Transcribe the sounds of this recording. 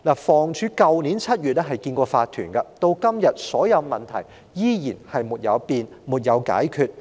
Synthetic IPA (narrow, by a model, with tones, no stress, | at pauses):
laː˨˩fɔː˨˩ŋt͡ʃʰyː˨˥kɐ˧wniː˨˥nt͡sʰɐ˥t̚jyː˨t̚ɛː˥ɦɐ˨jkiː˧nkʷɔː˧faː˧t̪ʰyː˨˩nkɐ˧t̪o˧wkɐ˥mjɐ˨t̚sɔː˨˥jɐ˨˧wmɐ˨nt̪ʰɐ̰˨˩j | jiː˥jiː˨˩nhɐ˨jmuː˨t̚jɐ̰˨˧wpiː˨˧n | muː˨˩t̚jɐ˨˧wka̰ː˨˥jkʰyː˧t̚